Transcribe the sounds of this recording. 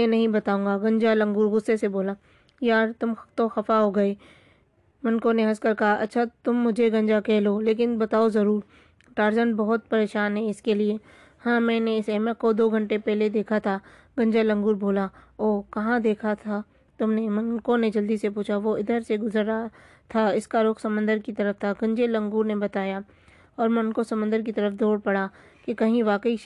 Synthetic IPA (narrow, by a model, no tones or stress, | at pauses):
ɛ̃nɐɦĩbɐt̪aːũŋɡaɡɐ̃ɲd͡ʒalɐ̃ŋɡuːɾɣʊsːeseboːla | jaːɾt̪ʊmt̪oxɐfaɦoːɡɐe | mɐ̃nkõneɦɐskɐɾkɐɦaʔɐ̰tːʃʰat̪ʊmːʊd͡ʒʱeɡɐ̃ɲd͡ʒakɛɦloːleːk̬ɪnbɐt̪aːozɐɾuːɾ | ʈaːɾzə̃ɳʈ̚bɐɦʊt̪̚pɐɾeːʃaːnɦɛɪskelie | hãːmɛ̃ːneɪsɛmə̃kod̪oːɡʱɐ̃ɳʈepɛɦled̪eːkʰat̪ʰa | ɡ̥ɐ̃ɲd͡ʒalɐ̃ŋɡuːɾbʱoːlaoːkɐɦãd̪eːkʰat̪ʰa | t̪ʊmnemɐnkõned͡ʒɐld̪isepuːt͡ʃʰaʋoɪd̪əɾseɡʊzəɾa | t̪ʰaɪskaɾʊkʰsɐmə̃nd̪əɾkit̪ɐɾəft̪ʰaɡɐ̃ɲd͡ʒelɐ̃ŋɡuːɾnebɐt̪aːja | ɔːɾmɛ̃ʊnkosɐmə̃nd̪əɾk̬it̪ɐɾəfd̪ʱoːɽpɐɽa | kekɐɦĩʋaːkəi